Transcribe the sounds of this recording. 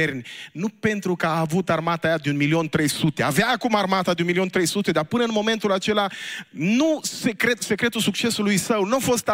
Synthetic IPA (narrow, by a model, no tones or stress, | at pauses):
ernʲnupe̞nt̪ɾukəaːvut̪armat̪ajad̪eunmilio̞nt̪ɾe̞jsut̪e̞aveaːkumarmat̪ad̪eunmilio̞nt̪ɾe̞jsut̪e̞d̪arpɨnəɨnmo̞me̞nt̪ulat͡ʃe̞lanusekɾet̪se̞kɾe̞t̪usuk̚t͡ʃe̞sulujsəwnuafo̞st̪